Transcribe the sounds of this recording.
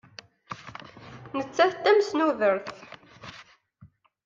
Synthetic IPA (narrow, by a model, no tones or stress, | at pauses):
nət͡sːæθt̪ːæmsnuðəɾθ